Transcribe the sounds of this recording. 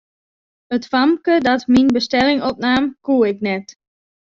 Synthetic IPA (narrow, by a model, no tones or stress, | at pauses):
ətfamkədɔtminbəstɛlɪŋɔp̚naːmkuəɪknɛt